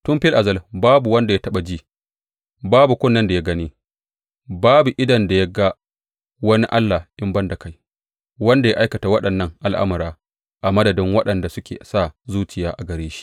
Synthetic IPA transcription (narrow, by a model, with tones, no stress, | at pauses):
tʊ˦mɸɪ˦lʔa˨zɐ˦lbaː˦bu˨wɐ˦nda˨ja˦tɐ˦ɓa˨d͡ʒiː˦˨ | baː˦bu˨kʷʊ˦nːɐ˦nda˨ja˦ɡɐ˦niː˦ | baː˦bu˨ʔɪ˦dɐ˨nda˨ja˦ɡa˦ | wɐ˦ni˦ʔa˦lːa˨ʔɪ˦mbɐ˦nda˨ka˦j | wɐ˦nda˨ja˦ʔa˦jkɐ˨ta˨wɐ˦ɗɐ˨nːɐ˦ŋʔa˨lʔa̰˦mʊ˨ɾaː˦ | ʔa˨mɐ˦dɐ˨dɪ˦ŋwɐ˦ɗɐ˨nda˨sʊ˦kʲḛː˨sa˦˨zuː˦t͡ʃɪ˨jaː˦ʔa˨ɡɐ˨ɾeː˦ʃi̥˦ʔ